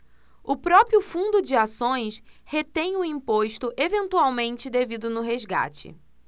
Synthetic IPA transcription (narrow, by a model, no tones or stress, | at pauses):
ʊpɾɔpɾiʊfũnd̪ʊd͡ʒɪasõj̃shet̪ẽj̃ʊĩmpoʃt̪ʊʔevẽnt̪uawmẽnt͡ʃɪd̪evid̪ʊnʊɦezɡa̰t͡ʃɪ̰